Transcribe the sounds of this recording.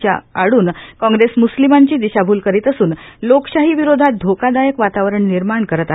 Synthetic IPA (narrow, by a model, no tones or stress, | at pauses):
t͡ɕja̰aɽuːnkɔ̃ŋɡɾesmuslimaɲt͡ɕiːd̪iɕabʱuːlkəɾiːt̪əsuːnlokɕaɦiːʋiɾod̪ʱat̪̚d̪ʱokad̪ajəkʋat̪aʋɾəɳniɾmaɳkəɾət̪aɦ